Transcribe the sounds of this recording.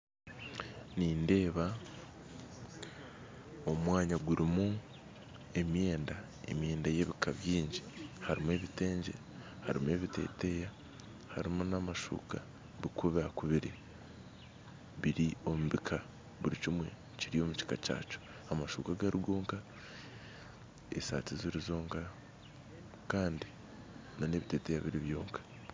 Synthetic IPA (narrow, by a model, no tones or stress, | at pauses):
niːnde̞ːβa | omwaːɲaɡuɾimu | e̞mje̞ːnda | e̞̰mje̞ːndaje̞βikaβjiːɲɟi̥haɾimwe̞βite̞ːɲɟe̞̰ | haɾimue̞βite̞̰ːte̞ja | ha̰ɾimunamaʃṵːka | βikuβakuβiɾi | βiɾio̞muβikʰa | βuɾicimwe̞̰ | ciɾio̞muci̥kaca̰ːt͡ʃo̥ | amaʃuːkaɡaɾiɡo̞ːŋka | esa̰ːtiziɾizo̞ːŋka | kaːndi | none̞βite̞ːte̞jaβiɾiβjoːŋkḁ